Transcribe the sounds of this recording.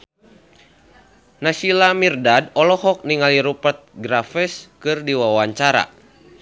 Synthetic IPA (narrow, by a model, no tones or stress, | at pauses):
nasilamirdadɔlɔhɔk̚niŋaliɾupət̪̚ɡɾafɛskɨrdiwawaɲt͡ʃaɾa̰